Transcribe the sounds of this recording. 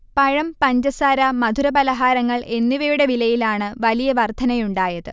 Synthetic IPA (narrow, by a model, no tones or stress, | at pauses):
pɐɻɐmpɐɲd͡ʑɐsaːɾɐmɐd̪ʱuɾɐbɐlɐɦaːɾɐŋːɐɭʔe̞nːiʋɐjuɽeʋilɐjilaːɳɨʋɐlijɐʋɐrt̪ʰːɐnɐjuɳɖaːjɐðɨ